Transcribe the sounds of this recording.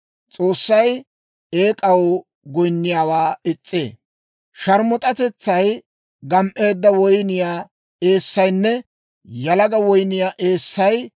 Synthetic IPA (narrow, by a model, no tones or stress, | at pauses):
t͡sʼo̞ːsːɐj | eːkʼɐwɔ | ɡɔjnːɪjaːwaːɪt͡sʼːḛː | ʃɐɾmɔt̪ʼɐt̪ɛt͡sːɐj | ɡɐmʔe̞ːd̪ːɐwɔjnɪjaː | e̞ːsːɐjnːɛ | jɐlɐɡɐwɔjnɪjaːʔe̞ːsːɐj